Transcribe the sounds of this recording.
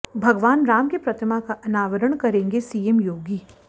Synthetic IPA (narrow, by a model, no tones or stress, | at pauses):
bʱɐɡʋaːnɾaːmkepɾɐt̪ʰimakaʔɐnaːʋəɾəɳ̃kɐɾẽːŋɡesiːemjoːɡiː